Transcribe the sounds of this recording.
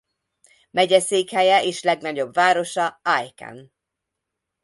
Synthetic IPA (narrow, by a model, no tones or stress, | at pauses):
mɛɟɛseːkhɛjɛʔeːʃlɛɡnɒɟo̞bvaːɾo̞ʃɒajkɛ̰n